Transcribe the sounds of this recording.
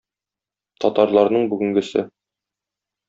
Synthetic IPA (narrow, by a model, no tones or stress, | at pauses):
t̪ɒt̪ɑɾlˠɑɾnɤɴbʉɡɘ̆ŋɡɘ̆sɘ